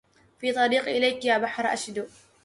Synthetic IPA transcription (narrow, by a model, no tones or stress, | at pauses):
fiːt̪ˤɑɾiːqʔɪlajkjaːbaħɾʔa̰ʃd̪ʊ